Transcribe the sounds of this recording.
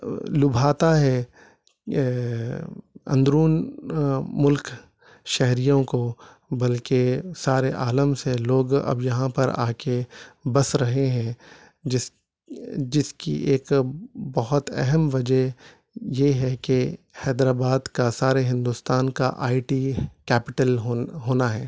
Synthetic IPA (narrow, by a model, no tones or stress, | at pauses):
lʊbʱaːt̪aɦɛ | ɐ̰̃nd̪ɾuːn | mʊlk | ʃɛɦɾijõko | bɐlkesaːɾeʔaːləmseloːɡɐ̰bjɐɦãpɐɾa̰ːkebɐsɾɐɦeɦɛ̃ | ɪ | d͡ʒɪskḭʔeːkbɐɦɔt̪ɛ̰ɦɛmʋɐd͡ʒəɦ | jeɦɛkehɛːd̪ɾaːbaːd̪kasaːɾeɦɪ̃nd̪uːst̪aːnka̰ʔa̰ːiʈiːkɛːpɪʈəlɦoːnaɦɛː